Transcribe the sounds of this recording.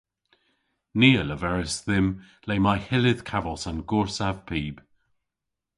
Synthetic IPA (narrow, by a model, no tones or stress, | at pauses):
niːələvɛɹəsðɪm | leɪmaɪhɪlɪð̥kʰavəlˠsanɡʊɹsav̥pʰiːb̥